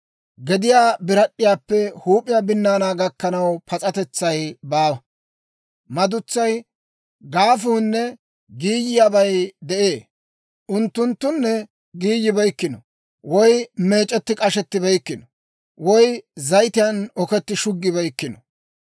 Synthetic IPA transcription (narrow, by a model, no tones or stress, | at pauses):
ɡɛd̪ɪjaːbɪɾɐɗːɪjaːpːɛhuːpʼɪjabɪnːaːnaːɡɐkːɐnɐwpʰɐt͡sʼɐt̪ɛt͡sːɐjbaː | mɐd̪ʊt͡sːɐj | ɡaːfuːnːɛ | ɡiːjɪjabɐjd̪ɛʔeː | ʔʊnt̪ːʊnt̪ːʊnːɛ | ɡiːjːɪbɐjkːɪnɔ | wɔjme̞ːt͡ʃʼːɛt̪ːɪkʼɐʃɛt̪ːɪbɛjkːɪnɔ | wɔjzɐjt̪ɪjɐnɔkɛt̪ːɪʃʊɡːɪbɛjkːɪnɔ